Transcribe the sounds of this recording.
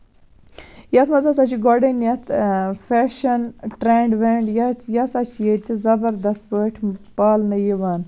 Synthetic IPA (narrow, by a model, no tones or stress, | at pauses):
jɐt̪ʰmɐzɐs̬ɐt͡ʃiɡɔɖɐnjɐt̪ʰfeːʃɐnʈɾeːɳɖʋeːɳɖjɐt̪jɐsɐt͡ʃʰjet̪izɐbɐɾd̪ɐst̪̚pəːʈʰpaːlnɨjiʋaːn